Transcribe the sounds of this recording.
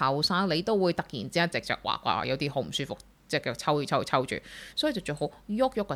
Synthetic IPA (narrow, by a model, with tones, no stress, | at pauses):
ɐ˨˩wsaː˥ŋle˨˧jt̪o˥wwuː˨˧jt̪ɐ˨k̚jḭː˨˩nt͡si˥jaː˥˩t͡sɪ˨k̚t͡ʃœ̰˨k̚wa̰ː˨kːʷa̰ː˧ʔa̰ː˧˩jɐ˨˧wt̪iː˥ɦo˨˥wm̩˨˩syː˥fʊ˨k̚ | t͡sɛː˥˩ɛː˨t͡sʰɐ˥wyː˨˩t͡sʰɐ˥wt͡sʰɐ˥wt͡ʃy̰ː˨˩sɔː˨˥ji˨˩t͡sɐ˨˩wt͡ʃœː˨˩ho˨˥wjʊ˥k̚jʊ˥kː